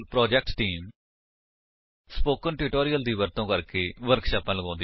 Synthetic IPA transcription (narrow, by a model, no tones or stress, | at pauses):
pɾɔːd͡ʒɛːk̚ʈʈiːm | spoːkənʈɪʈoːɾijəld̪iːʋəɾt̪õːkəɾkeːʋəɾkʃaːpãːləɡãːnd̪i